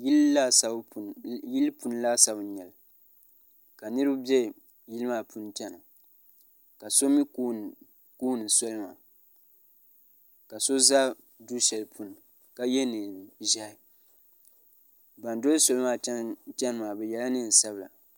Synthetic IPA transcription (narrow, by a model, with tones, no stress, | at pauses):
la˦sa˨˦ji˦lpu˨n˦la˦sa˦bɲɛ˨l | ka˨nɨ˦ɾɨ˦bʊ˦bɛ˦ | ji˦lɨ˦maː˦˨pu˦n˦tɛ˦n˨ | ka˨so˦mi˦ku˦ | kuː˦nɨ˨so˦lma̰ː˨ | ka˨so˦za˦ | du˦ʃɛ˨lpʰu˨n˨ | ka˦jɛ˦nɨ˨ʒa˦ɪ˦ | ba˨n˦do˦lso˦lɨ˦maː˨ɛ˦tɛ˦nɨ˦maː˨bɛ˨jɛ˨la˦nɨ˦n˨sa˦bɨ˨la̰˨